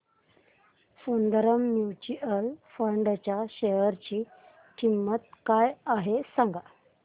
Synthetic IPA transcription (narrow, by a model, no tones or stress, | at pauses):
fuɳd̪əɾəmːjut͡ɕiəlfəɳɖt͡ɕjaɕeɦəɾt͡ɕiː | kʰimːət̪kajaɦesãŋɡa